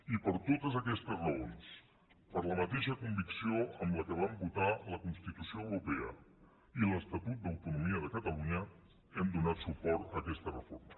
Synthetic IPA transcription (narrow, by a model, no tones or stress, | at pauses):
ipəɾt̪ot̪əzəkɛst̪əzrəolˠs | pəɾləmət̪eʃəkumbiksioəmləkəβ̞ambut̪aləkunst̪it̪usioəwɾupɛə̰ | iləst̪ət̪ut̪̚d̪əwt̪unumiəðəkət̪əluɲə | ɛmd̪unat̪supɔɾt̪əːkɛst̪ərəfo̰ɾmə